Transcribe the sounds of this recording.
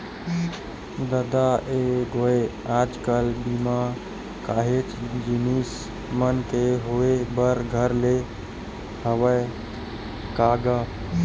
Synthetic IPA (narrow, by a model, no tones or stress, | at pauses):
d̪əd̪aeɡʱoe | ad͡ʒkəlbima | kaɦet͡ʃd͡ʒinis | mənkeɦoebəɾɡʱəɾle | həwə | kaɡə